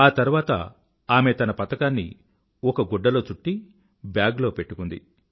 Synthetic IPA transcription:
aːt̪ɐɾuʋaːt̪ɐ̰ | aːme̞t̪ɐnɐpɐt̪ɐkaːnːḭ | ɔkɐɡɔɖːɐlo̞ːt͡ʃuʈːi | bjaːɡlo̞ːpe̞ʈːukund̪ḭ

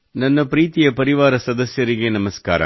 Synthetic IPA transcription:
nɐnːɐpɾiːt̪ɪjɐpɐɾɪʋaːɾɐsɐd̪ɐsjɐɾɪɣeːnɐmɐska̰ːɾɐ̰

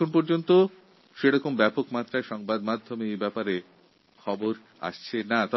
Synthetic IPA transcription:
konpɔɾd͡ʑont̪o | ʃeɾɔkombɛpokmat̪ːɾaeʃɔŋbad̪mad̪ʱːomeejbɛpaɾe | kʰɔboɾ | a̰ʃt͡ɕʰenat̪ɔ

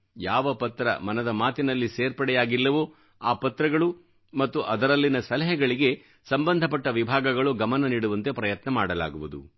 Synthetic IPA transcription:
jaːʋɐpɐt̪ɾɐ̰mɐnɐd̪ɐmaːt̪inɐlːiseːɾpɐɽɛjaːɡilːɐʋu | aːpɐt̪ɾɐɡɐɭu | mɐt̪ːuʔɐd̪ɐɾɐlːinɐsɐlɐɦɛɡɐɭiɡe̞ | sɐmbɐnd̪ʱɐp̬ɐʈːɐʋibʱaːɡɐɡɐɭuɡɐmɐnɐniːɽuʋɐnt̪e̞pɾɐjɐt̪nɐmaːɽɐla̰ːɡuʋud̪ṵ

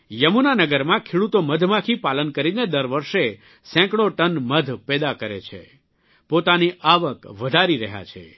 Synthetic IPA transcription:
jəmunanəɡəɾmãkʰeɽut̪oməd̪ʱmãkʰipalənkəɾined̪əɾʋəɾʃe | sɛ̃kɽoʈənməd̪ʱpɛd̪akəɾḛt͡ʃʰḛ | pot̪aniʔaʋəkʋəd̪ʱaɾiɾəɦja̰t͡ʃʰḛ

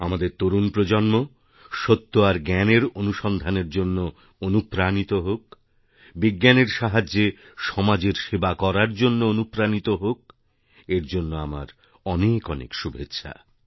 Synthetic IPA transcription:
amad̪eɾt̪oɾunpɾod͡ʑonmo | ʃot̪ːoaɾɡɛneɾonuʃɔnd̪ʱaneɾd͡ʑonːo | onupɾanit̪oɦok̚ | biɡːaneɾʃaɦad͡ʑːe | ʃɔmad͡ʑeɾʃebakɔɾaɾd͡ʑonːoonupɾanit̪oɦok̚ | eɾd͡ʑonːoama̰ɾ | ɔnekɔnḛkʃubʱetːɕʰa̰

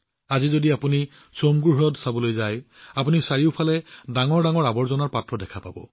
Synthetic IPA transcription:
azizodiapuni | somɡuɹɦɔjɔtsabɔlojzaj | apunisaɹiʊpʰalɛdaŋɔɹdaŋɔɹabɔɹzɔnaɹpatɹɔdɛkʰapabɔ̰

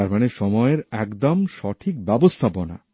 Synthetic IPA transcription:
aɾmaneʃɔmɔeeɾɛkd̪omʃɔʈʰik̚bɛbost̪ʰapona̰

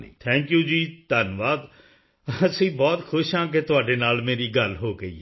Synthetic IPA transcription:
t̪ʰɛ̃ːŋkjũːd͡ʒiːt̪aːnʋaːd̪ | əsĩːbɔːt̪xʰʊʃɦãːk̬et̪ʊaːɖeːnaːlmeːɾiːɡəlɦoːɡəḭː

